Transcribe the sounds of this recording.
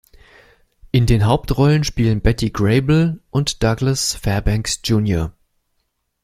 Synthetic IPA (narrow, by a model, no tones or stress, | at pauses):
ʔɪndeːnɦaʊp̚tʁɔlənʃpiːlənbɛtiɡʁeɪbl̩ʔʊntd̥aɡləsfɛɐbɛŋksd͡ʒ̥uːnjoɐ